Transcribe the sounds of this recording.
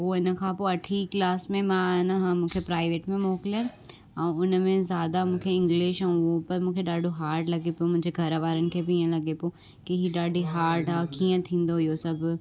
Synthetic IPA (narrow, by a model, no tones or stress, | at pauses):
ɦoɪnəkʰãpoːɐʈʰiklaːsmẽmãːɦɪnəɦãmũːkʰepɾaːɪʋeːʈmẽmɔːkɪlan | ɛ̃ːʊnəmẽzjaːd̪amũːkʰeɪ̃ŋɡlɪʃãʊopɐɾmũːkʰeɗaːɖʱoɦaːɾʈlɐɡepomʊ̃ɪ̃ɲd͡ʑeɡʱɐɾʋaːɾənɪ̆kʰeːbɪiːə̃lɐɡepo | kiɦiɗaːɖʱiɦaːɾʈaːkiːə̃t̪ʰĩːn̆d̪oɦijosɐbʱ